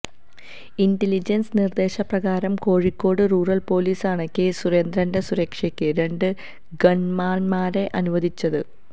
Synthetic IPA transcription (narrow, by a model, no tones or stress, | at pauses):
indelid͡ʑɐnsnird̪e̞ːɕɐprɐɣaːɾɐmko̞ːɻikːo̞ːɽɨruːrɐlpo̞ːliːsaːɳɨkeːsure̞ːnd̪rɐndɐsuɾɐkʂɐkʲːɨɾe̞ɳɖɨ | ɡɐɳmaːnmaːɾe̞ʔɐnuʋɐðit͡ɕːɐðɨ